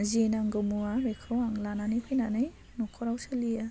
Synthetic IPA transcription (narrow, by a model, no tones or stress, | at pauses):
zenaŋɡɯmuabekʰawaŋlananipʰɯjnanɯj | nɔkʰɔɾawsalija